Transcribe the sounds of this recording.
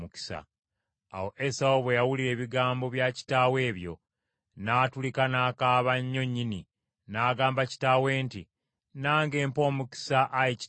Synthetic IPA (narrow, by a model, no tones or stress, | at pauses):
uki̥sa̰ː | wo̞ʔesaoβwejawuliɾe̞ːβiɡaːmbo̞βjaci̥taːwe̞ːβjo̞̰ | naːtulikanaːkaːβaɲːo̞ɲːini | naːɡaːmbaci̥taːwe̞ːnti | naːŋɡe̞ːmpo̞ːmuki̥saʔːjici̥